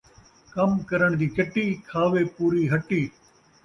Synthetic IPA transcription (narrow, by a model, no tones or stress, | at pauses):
kɐmkɐɾəɳ̃d̪iːkɪʈiːkʰaːʋeːpuːɾiːɦɐʈiː